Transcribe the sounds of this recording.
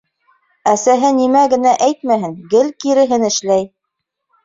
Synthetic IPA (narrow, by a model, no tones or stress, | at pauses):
æsæɦɘnimæɡɘ̆næʔæjt̪̚mæɦɘŋɡɘlkiɾɘ̆ɦɘnɘ̆ʃlæj